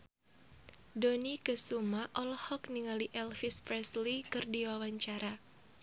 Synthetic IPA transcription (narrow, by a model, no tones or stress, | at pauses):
donikəsumaʔɔlɔhɔkniŋaliʔɛlfɪspɾɛslikɨrdiwawaɲt͡ʃaɾa